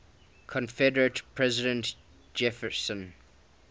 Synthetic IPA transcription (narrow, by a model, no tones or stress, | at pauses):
kʰɔ̃nfɛdəɹətpʰɹɛzɪdə̃nt | d͡ʒɛfəsə̃n